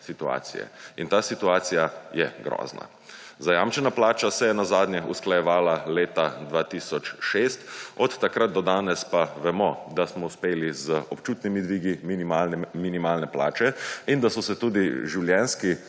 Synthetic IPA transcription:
sit̪ua̰ːt̪sḭjɛ̰int̪aːsit̪uaːt̪sijajɛɡɾɔ̰ːzna̰ | zajaːmt͡ʃɛnaplaːt͡ʃasɛjɛnazaːd̪nʲjɛusklajɛʋaːlaleːt̪ad̪ʋaːt̪isɔt͡ʃʃeːst̪ɔt̪ːakɾat̪̚d̪ɔd̪aːnɛspaʋɛmɔd̪asmɔuspeːlizəɔpt͡ʃuːt̪nimid̪ʋiːɡi | minimaːlnɛpla̰ːt͡ʃɛind̪asɔsɛt̪uːd̪iʒiwljɛnski

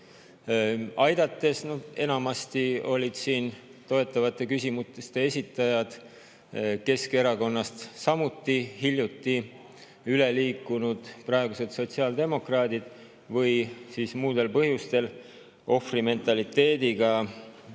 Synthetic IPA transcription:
ɑjd̪̥ɑt̪ːˑe̞snod̪e̞nɑmɑst̪io̞lʲid̪̥siːnt̪o̞e̞t̪ːˑɑvɑt̪ːˑe̞kysʲimut̪est̪e̞esʲit̪ːˑɑjɑd̪̥ | ke̞ske̞ɾɑko̞nːɑst̪sɑmut̪ːihilʲjut̪ˑːi | yle̞liːkːˑunud̪̥prɑeɡ̥use̞t̪so̞t̪siɑːld̪e̞mo̞krɑːd̪̥id̪̥ | vɤjsiːsmuːd̪̥e̞lpɤɦjust̪e̞l | ʔo̞frime̞nt̪ˑɑlit̪ːe̞ːd̪iɡ̥ɑ

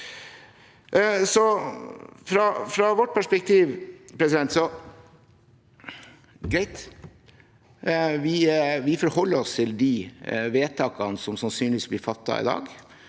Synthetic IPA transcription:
sɔ | fɾɑfɾɑʋɔʈ̚ːpʰæʂpɛkt̪ʰiːʋpʰɾɛsɪd̪ɛnt̪sɔ | ɡɾæɪt̪ | ʋɪʋɪfɔɾhɔlːəɾɔst̪ʰɪld̪iʋeːt̪ʰɑːkɑnəsɔmsɑnsyːnɪiːsblɪːɾfɑt̪ːɑ̰ɪ̰d̪ɑ̰ːɡ

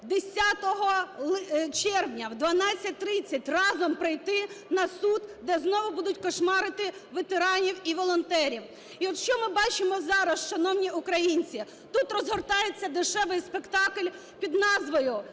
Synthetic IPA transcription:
d̪esʲat̪ɔɦɔlˠt͡ʃɛrwnʲɐwd̪ʋɐnɑt͡sʲːɐt̚ʲt̪ɾɪt͡sʲːɐtʲrɑzɔmpɾɪjt̪ɪnɐsud̪d̪ɛznɔʋʊbud̪ʊtʲkɔʃmɑɾɪt̪ɪʋet̪eɾɑnʲiwiʋɔlˠɔnt̪ɛɾʲiw | iɔt̪ʃt͡ʃɔmɪbɑt͡ʃɪmɔzɑɾɐst͡ʃɔnɔwnʲiʔʊkɾɐjinʲt͡sʲi | t̪ut̪rɔzɦɔrt̪ɑjet͡sʲːɐd̪ɪʃɛʋɪjspekt̪ɑklʲ | pʲid̪nɑzʋɔjʊ

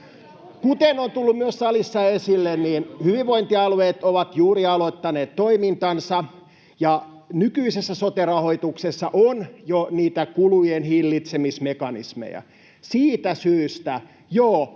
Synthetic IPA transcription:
kut̪enont̪ulːummyøsːɑlisːɑesilːenniːnhyʋiʋʋoint̪iɑluweːt̪oʋɑt̪juːriɑloit̪ːɑneːt̪toimint̪ɑnsɑ | jɑ | nykyisesːæsot̪erɑhoit̪uksesːɑʔonjoniːt̪ækulujenhilːit̪semismekɑnḭsmḛjæ̰ | siːt̪æsyːst̪æ | joː

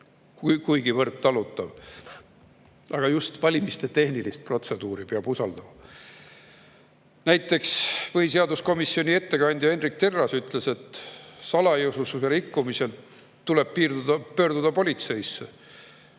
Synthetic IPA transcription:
kukujɡ̥ivɤrt̪ːɑlut̪ːˑɑv | ʔɑɡ̥ɑjust̪vɑlʲimist̪e̞t̪e̞hnilist̪̚pro̞t̪se̞d̪uːɾipeɑb̥usɑld̪̥ɑmɑ | næjt̪ːˑe̞ksvɤhis̬eɑd̪usko̞misːio̞nʲie̞t̪ːe̞kɑnʲd̪jɑenrik̚t̪e̞rːɑsyt̪ˑle̞se̞t̪sɑlɑjɤwsususeɾikːumisel | t̪ːule̞b̥̚piːrd̪̥ud̪̥ɑpø̞ːrd̪ud̪̥ɑpo̞lʲit̪se̞jsːe

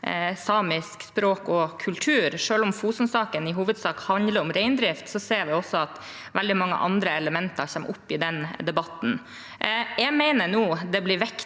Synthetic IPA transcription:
sɑːmɪskspɾoːkɔkʰʉlt̪ʰʉːɾʂøːlʊmfuːsnsɑːkənɪɦuːʋəd̪sɑːkhɑnd̪ləɾɔmɾɛɪnd̪ɾɪft̪sɔseːɾʋɪɔsːɔɑt̪ | ʋɛld̪ɪmɑŋːə̰ʔɑ̰nd̪ɾəɛləmɛnt̪ɑɾçɛmʔʊpːɪd̪ɛnd̪ɛbɑt̪ːn̩ | jæɪmæɪnənuːd̪ɛblɪɾʋɛk

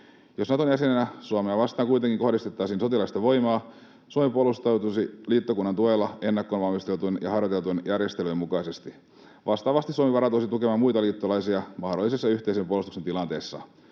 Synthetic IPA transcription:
josnɑt̪onjæsenenæsuoɑmeɑʋɑst̪ˑɑːŋkuijt̪eŋkiŋkohdist̪et̪ːɑːsiːnso̞t̪ilɑist̪ɑʋo̞jmɑː | suomipuolust̪ɑwt̪usiliːt̪ːokunːɑnt̪uelːɑe̞nːɑkːonʋɑlmist̪elt̪unjɑ̰ɦɑrjot̪e̞lt̪unjærjest̪elymukɑisest̪i | ʋʔɑst̪ɑːʋɑst̪isuɑmiʋɑɾɑt̪oisit̪ukemɑːmujt̪ɑliːt̪ːolɑisiɑmɑhdolːisesːɑyçʲt̪eisempuolust̪ukse̞nt̪ilɑnt̪e̞ːsːɑ̰

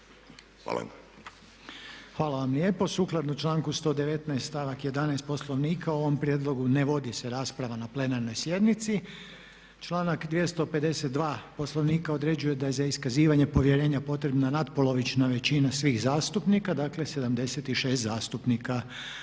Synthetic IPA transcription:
xa̰l̰ | xʋaːlaʋamlje̞ːpo̞suklˠad̪nut͡ʃlˠaːŋkust̪o̞d̪eʋe̞t̪najst̪t̪aːʋakjed̪anajst̪po̞slˠo̞ʋniːkʰauoʋo̞mpɾʲjed̪lˠo̞ɡune̞ʋo̞d̪ise̞ɾaːspɾaʋanaple̞naɾno̞jsje̞d̪nit̪si | t͡ʃlˠaːnakd̪ʋjest̪o̞pe̞d̪e̞set̪̚d̪ʋaːpo̞slo̞ʋniːkao̞d̪ɾe̞d͡ʑuje̞d̪ajezaiskaziːʋaɲe̞po̞ʋje̞ɾe̞ːɲapo̞t̪ɾebnanat̪po̞lˠo̞ʋit͡ʃnaʋe̞t͡ɕinasʋiːxzaːst̪upnikad̪akle̞se̞d̪amd̪e̞se̞t̪iʃe̞ːst̪zaːst̪upnika

